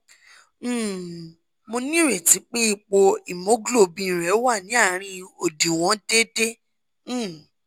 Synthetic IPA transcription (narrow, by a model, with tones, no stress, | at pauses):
mo˧nĩ˦˨ɾɛ˨ti˨˦k͡pe˦i˦˨k͡po˧i˨mo˨˦ɡlo˦˨bĩ˧ĩ˨ɾɛ˨˦wa˦˨nĩ˨˦a˦˨ɾ̃ĩ˧o˨di˨w̃ɔ̃˨˦de˦dẽ˦˨